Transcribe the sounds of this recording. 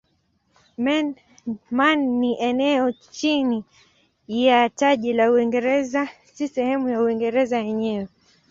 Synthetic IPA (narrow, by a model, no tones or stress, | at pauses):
mɛn | manːiʔɛnɛɔt͡ʃini | jataʄilauiŋɡɛɾɛza | sisɛhɛmujauiŋɡɛɾɛzajɛɲɛwɛ